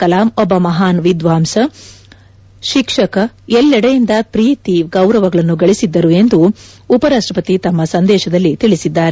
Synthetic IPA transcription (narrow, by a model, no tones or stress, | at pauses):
kɐlaːmɔbɐmɐɦaːnʋid̪ʋaːmsɐ | ʃikʂɐkɐ | ɛlːɛɽɐjind̪ɐpɾiːt̪iɡɐwɾɐʋɐɡɐɭɐnːuɡɐɭisid̪ːɐɾue̞nd̪uː | pɐɾaːʂʈɾɐpɐt̪it̪ɐmːɐsɐnd̪ɛːʃɐd̪ɐlːit̪iɭisid̪ːaːɾe